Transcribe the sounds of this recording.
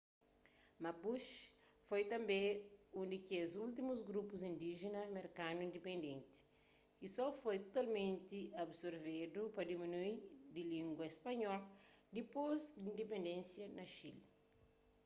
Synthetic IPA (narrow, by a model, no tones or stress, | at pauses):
mɐpuʃ | fojt̪ɐ̃mbẽũnd̪ikezult̪̬imuzɡɾupuzĩnd̪iʒenɐmeɾkanuĩnd̪epẽnd̪ẽnt̪i̥ | kisɔfojt̪ot̪almẽnt̪iɐbsoɾved̪upɐd̪iminuid̪ilĩŋɡwɐespɐɲɔld̪ipozd̪ĩnd̪epẽnd̪ẽnsjɐnɐʃil